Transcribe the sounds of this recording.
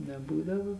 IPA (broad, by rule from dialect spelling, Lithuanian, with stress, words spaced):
nʲɛˈbuːdɐʋoː